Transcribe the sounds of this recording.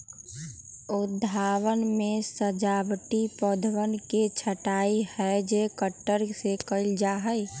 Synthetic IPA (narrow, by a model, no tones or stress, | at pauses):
ʊd̪ʱaːwənmẽsəd͡ʒaːbʈipɔd̪ʱʋənket͡ʃʰəʈaːihɛd͡ʒekəʈːəɾsekəld͡ʒaɦəi